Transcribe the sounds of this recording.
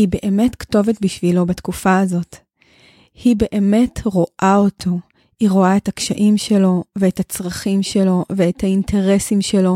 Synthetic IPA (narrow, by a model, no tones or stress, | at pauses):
hibe̞ʔeme̞tkto̞vetbiʃvilo̞batkufaːzo̞t | hibe̞ʔeme̞tʁo̞ʔao̞tʰo̞ | iʁo̞ae̞takʃaʔimʃe̞lo̞veethat͡sʁaχimʃe̞lo̞ve̞ethaintʰe̞ʁe̞simʃelo̞